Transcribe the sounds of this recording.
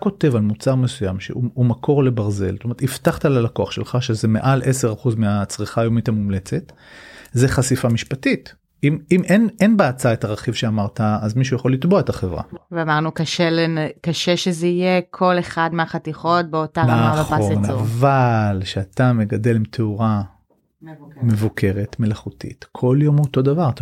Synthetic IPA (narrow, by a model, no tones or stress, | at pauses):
ko̞te̞valmut͡saʁme̞sujamʃḛuumakʰo̞ʁle̞baʁze̞̰lstome̞etiftaχt̪alalakoaχʃelχaʃezeme̞̰ʔalʔeseʁaχuzmeat͡sʁiχaːjo̞mithamumle̞t͡se̞t | zeχasifamiʃpatit | imimenenbaat͡saetaʁeχivʃeamaʁtaːzmiʃujaχo̞lit̪boaetaχevʁa̰veamaʁnukaʃelenkaʃeʃezeijekʰo̞leχadmeaχatiχot̚beotanaaχonavalʃeat̪ame̞ɡade̞limtʰeuʁa | me̞vukʰe̞ʁe̞tme̞laχutḭtkʰo̞ljo̞moto̞davaʁt̪a